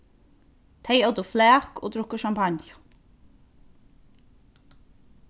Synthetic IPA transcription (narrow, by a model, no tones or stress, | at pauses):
t̪ʰeɪowt̪əflæːko̰ːd̪ɾʊkəʃɑmpʰɑnjʊ̥